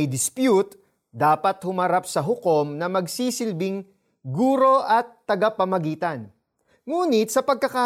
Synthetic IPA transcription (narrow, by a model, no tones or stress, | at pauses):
jd̪ɪspjut̪ | d̪aːpɐt̪̚hʊmɐɾap̚sɐɦʊko̞mnɐmɐɡsiːsɪlbɪŋ | ɡuːɾo̞ʔɐt̪ːɐɡapɐmɐɡiːt̪ɐn | ŋuːnɪt̪̚sɐpɐɡ̚kɐka